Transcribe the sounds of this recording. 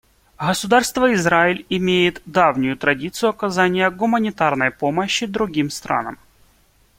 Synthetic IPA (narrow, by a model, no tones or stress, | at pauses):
ɣəsʊd̪arst̪vəɪzɾaɪlʲɪmʲejɪt̪d̪avnʲʊjʊt̪ɾɐdʲit̪sɨjʊɐkɐzanʲɪjəɡʊmənʲɪt̪arnəjpo̞məɕːɪd̪ɾʊɡʲimst̪ɾa̰nə̰m